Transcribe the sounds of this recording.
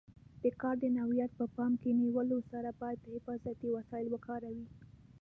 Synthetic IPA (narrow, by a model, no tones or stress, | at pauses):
d̪̥əkɑɾd̪ənawijat̪̚pəpɑmkeniwəlosaɾabɑjad̪̚ːəhɪfɑzat̪iwasɑɪlwəkɑɾawi